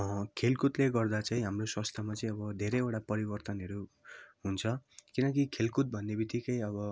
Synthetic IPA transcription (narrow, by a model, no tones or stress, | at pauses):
kʰelkut̪leɡʌrd̪at͡saĩɦamroswʌst̪ʰamat͡sʌĩʌbʌd̪ʱeɾeeʈapʌɾibʌrt̪ʌnɦʌɾu | ɦunt͡sʰʌkinʌk̬ikʰelkut̪̚bʱʌnːebit̪ikʌjʌbʌ